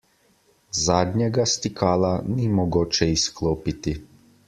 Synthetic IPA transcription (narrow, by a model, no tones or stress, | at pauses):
zad̪ɲeɡast̪ikʰaːlanimoɡot͡ʃɛisklˠoːpit̪i